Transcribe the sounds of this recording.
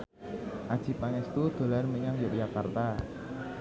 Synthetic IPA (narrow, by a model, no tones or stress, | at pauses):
ʔad̥ʒ̥i̤paŋɛst̪ud̪̥o̤larməɲaŋjoʔjakart̪a